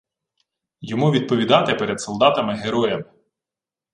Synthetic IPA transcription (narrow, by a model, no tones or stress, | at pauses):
jɔmuʋʲid̪̚pɔʋʲid̪ɑt̪ɪpɛɾɛd̪sɔlˠd̪ɑt̪ɐmɪɦeɾɔjɐmɪ